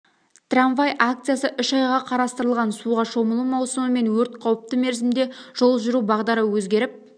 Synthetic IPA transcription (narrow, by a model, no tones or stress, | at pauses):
t̪ranvajʔak̚t̪sɨjasəʔʏʃɑjʁɑqʰɑɾɑst̪əɾəlˠʁɑnsuʁɑʃo̞məlˠumɑwsəməme̞nwɵɾt̪̚qʰɑwəp̚t̪əme̞ɾzɪmd̪e̞ʒ̥o̞lˠʒʏɾubɑʁd̪ɑɾəwɵzɡʲe̞ɾɪp̚